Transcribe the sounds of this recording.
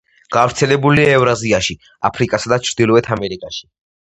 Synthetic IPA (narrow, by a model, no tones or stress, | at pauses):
ɡ̥avɾt̪sʰɛlɛbuliɛvɾaziaʃi | a̰pʰɾikʼasad̪at͡ʃʰɾd̪ilˠɔɛt̪ʰamɛɾikʼaʃi̥